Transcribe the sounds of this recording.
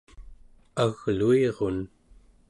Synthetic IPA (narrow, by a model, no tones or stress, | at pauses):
aɣlueʁo̞n